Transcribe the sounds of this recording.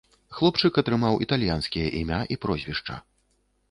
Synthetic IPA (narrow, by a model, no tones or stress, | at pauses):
xlˠɔpt͡ʂɨkɐt̪ɾɨmawʔit̪alʲjanskʲijɐʔimʲaʔipɾɔzʲvʲiʂt͡ʂɐ̰